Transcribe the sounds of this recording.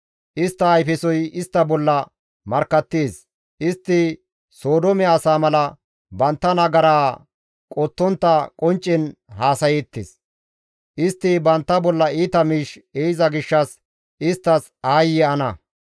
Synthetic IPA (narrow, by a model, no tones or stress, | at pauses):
ʔɪst̪ːɐːjfɛsɔjɪst̪ːɐbɔlːɐ | mɐɾkːɐt̪ːeːs | ʔɪst̪ːɪ | so̞ːd̪ɔmɛːsaːmɐlɐ | bɐnt̪ːɐnɐɡɐɾaː | kʼɔt̪ːɔnt̪ːɐkʼɔnt͡ʃʼːɪnɦaːsɐjɛt̪ːḛs | ʔɪst̪ːɪbɐnt̪ːɐbɔlːɐiːt̪ɐmiːʃeːjɪzɐɡɪʃːɐs | ʔɪst̪ːɐs | aːjːɛɐnɐ